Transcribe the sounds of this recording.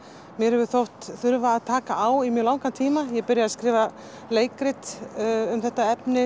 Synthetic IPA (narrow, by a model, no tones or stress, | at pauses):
mjɛɾhɛvʏθowht̪θʏɾvaːðt̪ʰaːkaʔaːwimjɛɣlawŋkant̪ʰiːmajɛɣpɪɾjaðaskɾɪːva | leːjkɾɪt̪ʏmθɛht̪aɛpnɪ